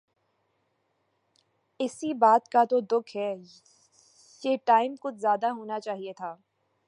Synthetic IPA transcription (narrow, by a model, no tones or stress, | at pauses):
ɪsibaːt̪kat̪od̪ʊkʰɦɛː | jeːʈaːɪmkʊt͡ʃʰzjaːd̪aɦoːnat͡ʃaːɦiet̪ʰaː